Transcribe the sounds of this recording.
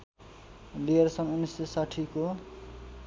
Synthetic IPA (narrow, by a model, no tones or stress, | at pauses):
lijʌrsʌnunːisesaʈʰiko